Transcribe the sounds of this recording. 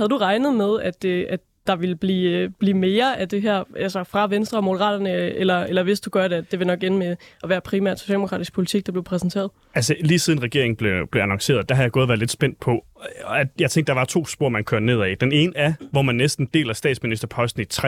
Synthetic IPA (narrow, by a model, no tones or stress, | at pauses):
hæð̩ˠd̥uʁɑ̈ɪnð̞̩ˠmeð̞ˠæd̥eæ̥ | d̥ɑ̈ʋe̝lb̥lḭːb̥liːme̝ːɐʔæd̥e̝ɦæɐ̰ʔælsɐfʁɑ̈ʋensd̥ʁɐmo̝̥əʁɑ̰̈ːd̥ɐnəelɐelɐʋe̝sd̥uɡ̥ɶɐɾe̝æd̥e̝ʋe̝nɒ̽ɡ̥enmeʔɒʋæːɐpʰʁimæ̰ɐ̰dso̝ɕɛ̰ːldemokʰɑ̰ːd̥isɡ̥̚pʰo̝lit͡sʰiɡ̥̚d̥ɑ̈b̥le̝ʊpʰʁɛsn̩t͡sʰe̝̰ːɐðˠ | ælsəliːsiːð̞ˠn̩ʁɛɡ̥e̝ɐ̰eŋn̩b̥le̝b̥le̝ænɑŋse̝̰ːɐð̞̩ˠd̥ɑhɦɑðjɪ̥ɔ̽ːðˠʋæɐle̝d̥sb̥en̰d̥̚pʰɒ̽æ̥jɑɪt͡sʰeŋɡ̥̚d̥ɑ̈ʋɑ̈t͡sʰo̝̰ːsb̥o̝ɐ̰mænkʰøɐne̝ðˠæid̥ene̝ːnəæʋɒmænːesd̥n̩d̥e̝̰ːlæsd̥ɛ̰ːd̥sminisd̥ɐpʰɒ̽sd̥n̩it͡sʰʁɛ